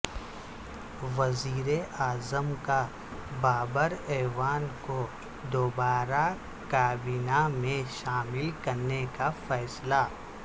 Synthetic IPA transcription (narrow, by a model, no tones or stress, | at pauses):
ʋɐziːɾeʔaːzəmka | baːbəɾɛːʋaːnko | d̪oːbaːɾa | kaːbiːnamẽʃaːmɪlkɐɾnekafɛːsla